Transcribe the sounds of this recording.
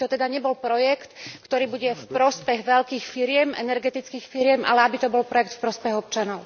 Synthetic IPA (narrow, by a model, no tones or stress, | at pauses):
t̪ɔt̪ɛd̪aɲɛbɔlpɾɔjɛkt̪kt̪ɔɾiːbuɟɛfpɾɔspɛɣʋɛʎkiːxfiɾɪɛmʔɛ̰nɛɾɡɛt̪it͡skiːxfiɾɪɛmʔa̰lɛabit̪ɔbɔlpɾɔjɛkt̪fpɾɔspɛɣɔp̚t͡ʃanɔʊ